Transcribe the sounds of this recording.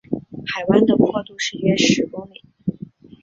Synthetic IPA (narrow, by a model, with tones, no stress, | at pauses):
xa˨˩ɪwa˥nd̪ə˨kʰwɔ˥˧t̪u˥˧ʂɻ̩˥˩ɥɛ˥ʂɻ̩˧˥kʊ˥ŋmi˨˩˦